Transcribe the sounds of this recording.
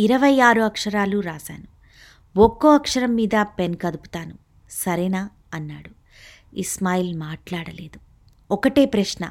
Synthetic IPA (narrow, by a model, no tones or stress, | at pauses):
iɾɐʋɐjaːɾuɐkʂɐɾaːluɾaːsa̰ːnu | ɔkːoːɐkʂɐɾɐmːiːd̪ɐpenkɐd̪upu̥t̪aːnu | sɐɾɛnaː | ɐnːaːɽu | ismaːjilmaːʈlaːɽɐle̞ːd̪u | ɔkɐʈe̞ːpɾɐʂnɐ̰